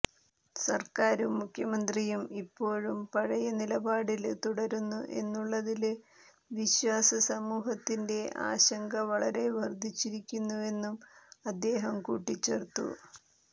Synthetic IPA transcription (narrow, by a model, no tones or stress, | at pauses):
sɐrkaːɾumːukʰjɐmɐnd̪rijumipːo̞ːɻumpɐɻɐjɐnilɐbaːɽilt̪uɽɐɾunːuʔe̞̰nːuɭːɐðil | ʋiɕwaːsɐsɐmuːɦɐt̪ːinde̞ʔa̰ːɕɐŋɡɐʋɐɭɐɾe̞ʋɐrd̪ʱːit͡ɕːiɾikʲːunːue̞nːumɐd̪ːe̞ːɦɐmkṵːʈːit͡ɕːe̞rt̪ːṵ